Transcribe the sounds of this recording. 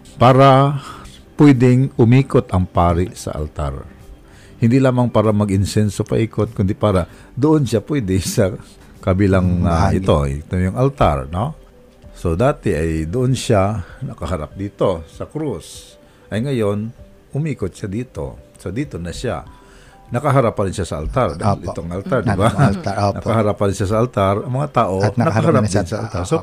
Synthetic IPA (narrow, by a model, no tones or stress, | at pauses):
paːɾɐ | pwɛd̪ɪŋʔʊmiːkot̪ʔɐŋpaːɾɪʔsɐ̰ʔɐ̰lt̪a̰ɾ | hɪnd̪ilaːmɐŋpaːɾɐmɐɡʔɪnsɛnsopɐʔiːkot̪̚kʊnd̪ɪpaːɾɐ | d̪ʊʔonʃapwɛd̪ɪsɐ | kɐbilaŋaʔɪ̰t̪o̞ɪ̰t̪omjʊŋʔɐlt̪a̰ɾno̞ | sod̪aːt̪ɛʔɐjd̪ʊʔonʃanɐkaɦaɾap̚d̪iːt̪o̞sɐkɾus | ʔɐjŋɐjon | ʔʊmiːkot̪̚t͡ʃad̪iːt̪o̰sod̪iːt̪onɐʃa̰ | nɐkaɦaɾapːɐɾɪnʃasɐʔalt̪aɾd̪ʔɪt̪oʔŋʔalt̪aɾd̪ɪbanɐkahaɾapːɐɾɪnʃas̬ɐalt̪aɾɐŋmɐŋat̪aːʔo̞ɐkahaɾad̪nsɐa̰lt̪aɾso